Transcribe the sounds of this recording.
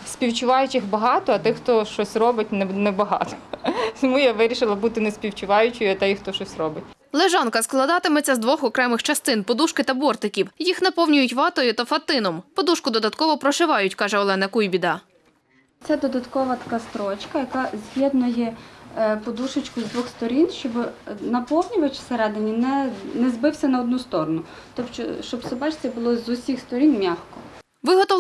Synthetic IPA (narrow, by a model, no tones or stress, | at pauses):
sʲpʲiwt͡ʃʊʋɑjʊt͡ʃɪxbɐɦɑt̪ɔɐt̪ɪxt̪ɔʃt͡ʃɔsʲrɔbɪtʲnnɛbɐɦɑ̰t̪ɔ̥smujaʋɪɾʲiʃɪlˠɐbut̪ɪnɛspʲiwt͡ʃʊʋɑjʊt͡ʃɪjʊɐt̪ɛjʊxt̪ɔʃɔsʲrɔbɪt̚ʲ | lˠeʒɑnkɐsklˠɐd̪ɑt̪ɪmɛt͡sʲːɐzd̪ʋɔxɔkɾɛmɪxt͡ʃɐst̪ɪnpɔd̪uʃkɪt̪ɐbɔrt̪ɪkʲiwjixnɐpɔwnʲʊjʊtʲʋɑt̪ɔjʊt̪ɐfɐt̪ɪnɔmpɔd̪uʃkʊd̪ɔd̪ɐt̪kɔʋɔpɾɔʒɪʋɑjʊtʲkɑʒɛɔlˠɛnɐkujbʲid̪ɐ | t͡sʲad̪ɔd̪ɐt̪kɔʋɐt̪ɐ̥kɑst̪ɾɔt͡ʃkɐjɐkɑzʲjʲɛd̪nɔjɛ | pɔd̪uʃɪt͡ʃkʊzd̪ʋɔxst̪ɔɾʲinʃt͡ʃɔbnɐpɔwnʲʊʋɐt͡ʃɪ̥seɾɛd̪enʲinɛnɛzbɪwsʲɐnɐɔd̪̚nust̪ɔɾɔnʊ | t̪ɔpʃt͡ʃɔ̰ʃt͡ʃɔbsɔbɑt͡ʃt͡sʲɐbʊlˠɔzʊsʲixst̪ɔɾʲinmʲaxkɔ | ʋɪɦɔt̪ɔ